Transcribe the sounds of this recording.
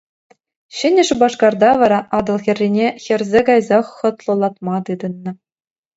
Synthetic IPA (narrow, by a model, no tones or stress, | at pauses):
ɕɘ̆nʲɘ̆ʂbɑʂkɑrd̪ɑʋɑɾɑʔɑd̪ɤ̆lˠxʲɘ̆rʲːinʲexʲɘ̆rʲzʲeɡɑjzɑχːɤ̆t̪lˠɤ̆lˠɑt̪mɑt̪ɯd̪ɤ̆nːɤ̆